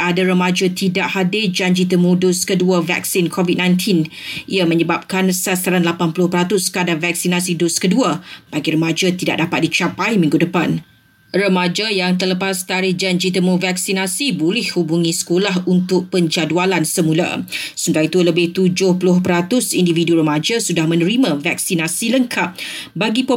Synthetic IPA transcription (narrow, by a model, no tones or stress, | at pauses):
adaɾəmad͡ʒat̪idaʔhadɪd͡ʒaɲd͡ʒit̪əmudʊskəduəva̰k̚sinkʰɔvid̚nãjnt̪ʰinʔiamə̃ɲəbap̚kansast̪aɾanlapanpulʊhpəɾat̪ʊskəadavak̚sinasidoskəduəb̥aɡiɾəmad͡ʒat̪ida̰ʔ̚dapat̪̚dit͡ʃapajmĩŋɡudəpan | rəmad͡ʒajaŋt̪ərləpast̪aɾɪhd͡ʒand͡ʒit̪əmovaksinasibolɛhhubuŋĩsə̥kolaɦunt̪ʊk̚pəɲd͡ʒadualansəmula̰sunt̪aɾit̪uləbɪht̪ud͡ʒʊhpulʊhpəɾat̪ʊsindividuɾəmad͡ʒasudahmə̃nəɾimãvak̚sinasiləŋkʰap̚baɡipo